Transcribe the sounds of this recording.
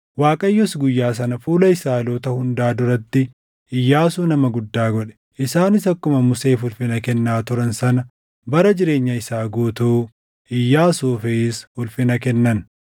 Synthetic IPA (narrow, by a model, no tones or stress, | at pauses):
waːkʼɐjːɔsɡʊjːaːs̬ɐnɐfuːlɐɪsaːloːt̪ɐhʊnd̪aːd̪ʊɾɐt̪ːɪ | ɪjːaːsuːnɐmɐɡʊd̪ːaːɡɔᶑɛ̥ | ʔɪsaːnɪsɐkːʊmɐmʊse̞ːfʊlfɪnɐkɛnːaːt̪ʊɾɐnsɐnɐ | bɐɾɐd͡ʒɪɾe̞ːɲːɐɪsaːɡoːt̪uː | ɪjːaːsuːfɛɪshʊlfɪnɐkɛnːɐn